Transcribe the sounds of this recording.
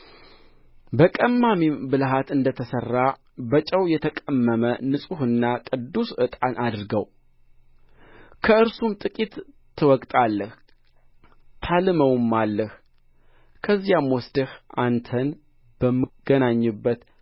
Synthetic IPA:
bəkʼəmːamibɨlɦat̪ɨnd̪ət̪ʰəsərːa | bət͡ʃʼəwjɛt̪ʰəkʼəmːəmənɨsʼuhɨnːakʼɨd̪ːusʔɨt̪ʼanʔad̪ɾɨɡəw | kʰəɨɾsumt̪ʼɨkʼit̪ʰː | ɨwɔkʼt̪ʼalːəh | t̪ʰalɨməwmːalːəh | kʰəzijamwɔsd̪ɨhʔant̪ʰən | b̥əmːɨɡ̥ənaɲːɨbːət̪

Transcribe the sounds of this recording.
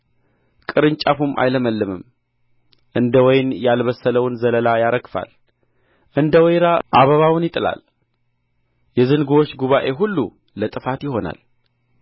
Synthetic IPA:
kʼɨɾɨnt͡ʃʼafumʔa̰jləməlːɨmɨm | ʔɨnd̪əwɔjnjalβəsːələwnzələlajaɾəkfa̰l | ʔɨnd̪əwɔjɾaʔaβəβawnjɪt̪ʼɨla̰l | jɛzɨnɡuwot͡ʃːɡuβaʔe̞ɦulːu | lət̪ʼɨfat̪jɪɦo̞na̰l

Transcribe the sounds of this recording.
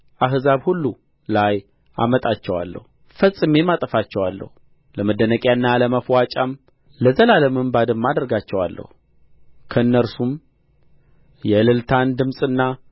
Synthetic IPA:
ʔaɦzaβhulːu | laj | a̰mət̪ʼat͡ʃːɛwa̰lːə̰hu | fəsʼːɨme̞mat̪ʼəfat͡ʃːɛwalːə̰hu | ləməd̪ːənəkʼjaɨnːaləməfwat͡ʃʼam | ləzəlaləmɨmbad̪ɨmːad̪əɾɡat͡ʃːɛwa̰lːʔə̰hu | kʰəɨnːəɾsum | jɛlɨlt̪ʰand̪ɨmsʼɨnːa

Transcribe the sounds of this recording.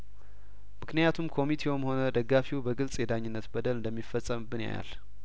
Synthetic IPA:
mɨknɨjat̪ʰumkʰo̞mit̪ʰewomho̞nəd̪əɡːafiwubəɡɨlsʼjɛd̪aɲːɪnːət̪bəd̪əlɨnd̪əmːifəsʼːəmbɨnja̰ja̰l

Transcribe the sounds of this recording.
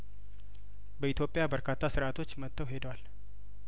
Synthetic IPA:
bəit̪jo̞pʼːɪjabəɾkʰat̪ʰːasɨɾʔat̪ʰo̞t͡ʃːmət̪ːəwɦe̞d̪wal

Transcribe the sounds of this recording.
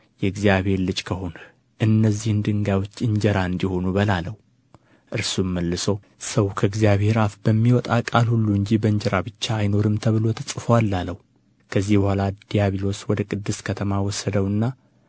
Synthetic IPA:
jɛɨɡzijaβhe̞ɾlɨd͡ʒkʰəho̞n | ʔɨnːəzːihɨnd̪ɨŋɡajwot͡ʃːɨɲd͡ʒəɾaɨnd̪iho̞nubəlaləhu | ʔɨɾsumːəlːɨso | səwkʰəɨɡzijaβhe̞ɾafbəmːiwɔt̪ʼakʼalhulːuɨɲd͡ʒibəɨɲd͡ʒɛɾabɨt͡ʃːaːjno̞ɾɨmt̪ʰəβɨlo̞t̪ʰəsʼɨfoalːaləhu | kʰəzːihbəhʷalad̪ijaβilo̞swɔd̪əkʼɨd̪ːɨskʰət̪ʰəmawɔsəd̪əwɨnːa

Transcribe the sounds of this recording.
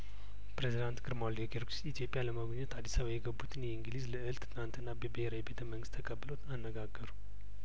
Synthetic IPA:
pɾezid̪ant̪ɡɨɾmald̪ioɡeɾksit̪ʰijo̞pʼjaləməɡoɲːɛt̪ʰad̪ːisaβajɛɡəbːut̪ʰɨnjɛiŋɡɨlizləɨlt̪ɨnant̪ɨnːabəbəheɾawibet̪ʰəməŋɡɨst̪ʰəkʼəbːɨlo̞t̪ʰanːəɡaɡːəɾu

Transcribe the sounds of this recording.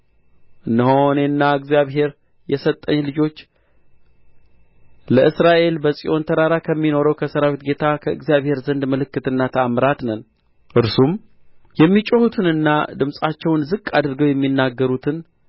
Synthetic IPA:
ʔɨnːəho̞nenːaɨɡzjaβɦe̞ɾ | jɛsət̪ʼːəɲːlɨd͡ʒo̞t͡ʃː | ləʔɨsɾaʔe̞lbəsʼiʔo̞nt̪ʰəɾaɾakʰəmːino̞ɾəwkʰəsəɾawit̪ɡe̞t̪ʰakʰəɨɡzjaβhe̞ɾzənd̪məlɨkːɨt̪ɨnːat̪ʰəamɾat̪nən | ʔɨɾsum | jɛmːit͡ʃʼohut̪ʰɨnɨnːad̪ɨmsʼat͡ʃːɛwnzɨkʼːad̪ɨɾɡəwjɛmːinːaɡːəɾut̪ʰɨn

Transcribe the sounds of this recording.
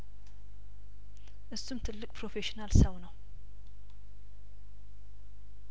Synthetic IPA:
ʔɨsːumt̪ʰɨlːɨkʼpʰɾofeʃinalsəwnəw

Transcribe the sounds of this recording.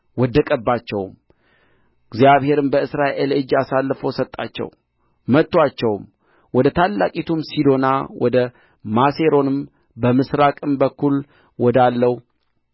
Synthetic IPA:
wɔd̪ːəkʼəbːat͡ʃːɛwm | ɡzijaβhe̞ɾɨmbəɨsɾaʔe̞lɨd͡ʒːasalːfəwsət̪ʼːa̰t͡ʃːɛ̰w | mət̪ːwat͡ʃːɛwm | wɔd̪ət̪ʰalːakʼit̪ʰumsid̪o̞nawʔɔd̪ə | mase̞ɾo̞nɨm | bəmɨsɾakʼɨmbəkʰːul | wɔd̪alːəw

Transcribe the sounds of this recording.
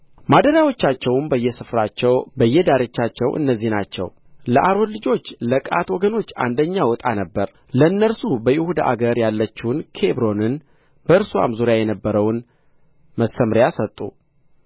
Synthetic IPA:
mad̪əɾjawo̞t͡ʃːat͡ʃːɛwmbəjːɛsɨfɾat͡ʃːɛwbəjːɛd̪aɾet͡ʃːat͡ʃːɛwʔɨ̰nːəzːihnat͡ʃːɛ̰w | ləʔaɾo̞nlɨd͡ʒo̞t͡ʃːləkʼa̰t̪wɔɡəno̞t͡ʃːa̰nd̪əɲːawʊt̪ʼanəbːəɾ | ləɨnːəɾsubəjɪhud̪a̰ʔa̰ɡəɾjalːət͡ʃːɪhʊnkʰe̞bɾo̞nɨn | bəɨɾsua̰mzuɾjajɛnəbːəɾəwn | məsːəmɾjasət̪ʼːṵ

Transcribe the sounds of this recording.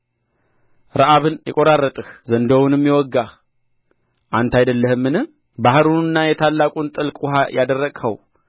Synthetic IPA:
ɾəʔaβɨnjɛkʼoɾarːət̪ʼɨhzənd̪əwnɨmːjɛwɔɡːa | ʔant̪ʰajd̪əlːəhɨmːɨnɨ | baɦɾunɨnːajɛt̪ʰalːakʼunt̪ʼɨlkʼuhajʔad̪ərːəɡhəw

